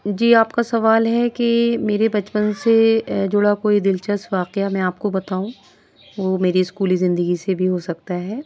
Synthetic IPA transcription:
d͡ʒiːaːpkasɐʋaːlɦɛkemeːɾebɐt͡ʃpənsed͡ʒʊɽakoːid̪ɪlt͡ʃəsʋaːqeamɛ̃aːp̚kobɐt̪aːũ | ʋomeːɾiɪskuːlizɪ̃nd̪əɡisebʱiɦosɐk̚t̪aɦɛː

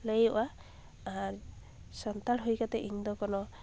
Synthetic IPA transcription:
lejɔʔa | aɾ | sant̪aɽɦujkat̪ɛʔiŋd̪ɔkɔnɔ

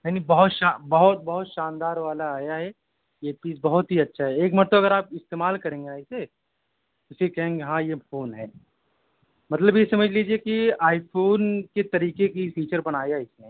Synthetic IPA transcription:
mɛnibɐɦʊt̪ʃabɐɦʊt̪̚bɐɦʊt̪ʃãːnd̪aːɾʋaːlaːjaɦɛ | jeːpiːsbɐɦʊt̪ɦiɐtːʃʰaɦɛeːkmɐɾt̪oɐɡəɾaːp̚ɪst̪eːmaːlkɐɾẽːŋɡenaːɪse | ʊsikɐɦẽːŋɡeɦãːjepʰoːnɦɛː | mɐt̪ləbjesɐməd͡ʒʱliːd͡ʒiekiaːɪpʰoːnket̪ɐɾiːkekifiːt͡ʃəɾbɐnaːjaɪsne

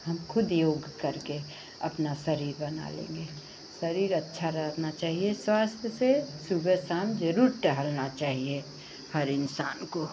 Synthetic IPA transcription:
ɦɐmkʰʊd̪joːɡkɐɾke | ɐpnasɐɾiːɾbɐna̰lḛ̃ːŋɡeː | sɐɾiːɾɐtːʃʰaɾət̪nat͡ʃaːɦieswaːst̪ʰjəsesubəsaːmd͡ʒəɾuːɾʈəɦəlnat͡ʃaːɦie | həɾɪnsaːnko

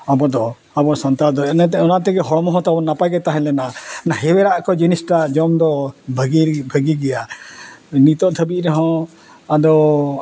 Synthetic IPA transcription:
abɔd̪ɔ | abɔsɔnt̪ad̪ɔɛnɛt̪ɛɔnat̪ɛɡɛɦɔɽɔmɔɦɔ̃t̪abɔnapaɡɛt̪aɦɛ̃lɛnanaɦɛwɛɾaʔkɔd͡ʒinisʈad͡ʒɔmd̪ɔbʱɡibʱəɡiɡɛja | nit̪ɔʔt̪ʰəbiʔɾɔɦɔ̃ | ad̪ɔ

